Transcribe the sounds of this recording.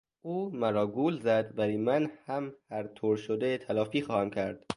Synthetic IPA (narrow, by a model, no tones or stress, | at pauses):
ʔuːmæɾɒːɡuːlzæd̪væliːmænhæmhæɾt̪ʰoːɾʃod̪et̪ʰælɒːfiːxɒːhæmcʰæɾd̪̥